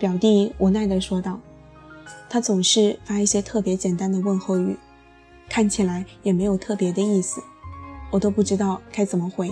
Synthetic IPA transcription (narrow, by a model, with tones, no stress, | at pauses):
pjɑ˨˩ʊt̪i˥˩wʔɔ˨˩na˥˩ɪd̪ə˨˩ʂwɔ˥t̪ɑ˥˩ʊ | t̪ʰa˥t͡sʊ˨˩ŋʂɻ̩˥˩fa˥i˥˩ɕjɛ˥t̪ʰɤ˥˩pjɛ˧˥t͡ɕjɛ˨˩nt̪a˥nd̪ə˨wə˥˧nxo˥˧ʊy˥˩ | kʰa˥˩nt͡ɕʰi˨˩la˧˥ɪjɛ˨˩me˧˥ɪjo˨˩ʊt̪ʰɤ˥˩pjɛ˧˥d̪ə˧i˥˩sɹ̩˨˩wɔ˨˩t̪o˥ʊpu˥˩ʈ͡ʂɻ̩˥t̪ɑ˥˩ʊkʰa˥ɪt͡sə˨˩mə˦xwe˧˥ɪ